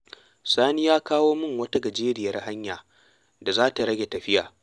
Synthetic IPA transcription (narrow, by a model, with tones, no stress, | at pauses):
saː˦ni˦jaː˦kaː˦woː˦mʊ˦ŋwɐ˦ta˦ɡɐ˨d͡ʒeː˦ɾɪ˨jɐ˦rha˦ɲjaː˨ | da˨zaː˦ta˨ɽɐ˦ɡʲe˨tɐ˨ɸɪ˦ja̰ː˨